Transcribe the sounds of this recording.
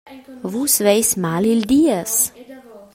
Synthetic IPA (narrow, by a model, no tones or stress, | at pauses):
ʋuːsʋʲɛɪsʲmaːlʲɪlʲd̪ʲiɛs